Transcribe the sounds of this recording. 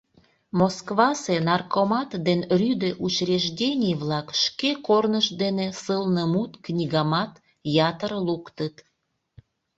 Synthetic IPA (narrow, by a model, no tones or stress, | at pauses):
moskβɑsenɑrkomɑt̪d̪enrʲyd̪eʔut͡ɕrʲeʒdʲenʲijβlɑkʃkekornəʃd̪enesəlnəmut̪knʲiɡɑmɑt̪ | jɑt̪əɾlukt̪ət̪